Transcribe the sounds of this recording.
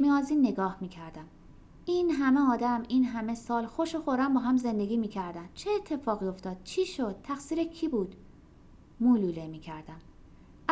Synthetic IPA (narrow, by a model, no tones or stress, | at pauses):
miɒːziːnːe̞ɡɒːhmiːcʰæɾd̪æm | iːnɦæmeɒːd̪æmiːnɦæme̞sɒːlxoʃoxoɾæmbɒːɦæmze̞nd̪e̞ɡʲiːmiːcʰæɾd̪ænt͡ʃʰeːt̪ʰːe̞fɒːɣio̞ft̪ɒːd̪̥̚t͡ʃʰiːʃod̪̥̚t̪ʰæxsiːɾecʰiːbuːd̪̥ | muːluːlemiːcʰæɾd̪æm